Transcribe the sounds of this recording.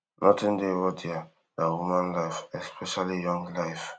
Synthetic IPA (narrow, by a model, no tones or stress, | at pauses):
nʔɔtĩndewɔdia | dawumãnlaɪfɛspʰɛʃalijɔ̃ŋɡlaɪf